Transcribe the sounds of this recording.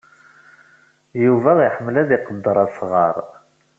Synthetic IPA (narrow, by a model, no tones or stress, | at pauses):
juvæʁiħəmːlæðiqəd̪ːəɾˤɑðsʁɑɾˤ